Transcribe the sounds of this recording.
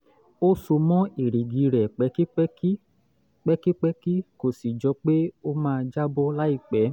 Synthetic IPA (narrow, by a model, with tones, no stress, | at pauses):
o˦so˧mɔ̃˦i˨ɾi˨ɡi˧˦ɾɛ˨k͡pɛ˨˦ki˦k͡pi˦ | k͡pɛ˦ki˦k͡pɛ˦ki˦ko˨si˨d͡ʒɔ˧k͡pe˦o˦mãː˦˧d͡ʒa˦bo˦la˦i˧˨k͡pɛ˨˦